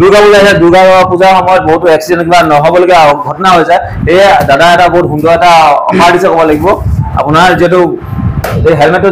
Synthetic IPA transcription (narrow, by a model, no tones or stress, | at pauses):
duɡabulsɛduɹɡabaapuzaxɔmɔjɔt̚bɔɦutuɛksidɛnkibanɔɦɔbɔloɡɛɡʱɔtɔnaɦojsa | ejdadaɛtaɡoɦut̚ɦundɔɛtaɔ̰paɹdisɔkɔbɔlaɡibɔa̰pʊnaɹziɛtʊ | ejɦɛlmɛtːɔ